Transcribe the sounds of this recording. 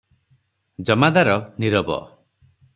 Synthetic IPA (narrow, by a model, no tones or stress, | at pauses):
d͡ʒɔmad̪aɾɔniɾɔbɔ̰